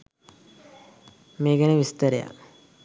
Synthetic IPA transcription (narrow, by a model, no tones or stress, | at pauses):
meːɡɛnəʋist̪əɾeja̰